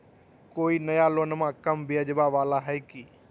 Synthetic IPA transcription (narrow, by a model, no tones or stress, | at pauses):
koːinɐjaloːnmãkɐmbɪəd͡ʒbaʋaːlaɦɛjkiː